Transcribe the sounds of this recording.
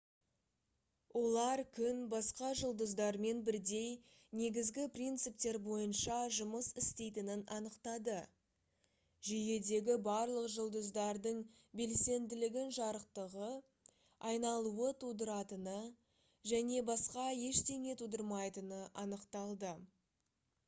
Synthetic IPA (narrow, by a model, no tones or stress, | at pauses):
wʔo̞lˠɑɾkʲʰʏnbɑsqɑʒəlˠd̪əzd̪ɑɾme̞nbɪɾd̪e̞j | ne̞ɡʲɪzɡʲɪprʲint̪sɨp̚t̪e̞ɾbo̞jənʃɑʒʊməsɪst̪e̞jt̪ɪnɪnʔɑnəqt̪ɑd̪ə | ʒije̞d̪e̞ɡʲɪbɑɾlˠəqʒəlˠd̪əzd̪ɑɾd̪əɴ | be̞lse̞nd̪ɪlɪɡʲɪnʒɑɾəqt̪əʁə | ɑjnɑlˠuət̪ʰud̪əɾɑt̪ənə | ʒæne̞bɑsqɑje̞ʃt̪e̞ŋe̞t̪ʰud̪əɾmɑjt̪ənəʔɑnəqt̪ɑlˠd̪ə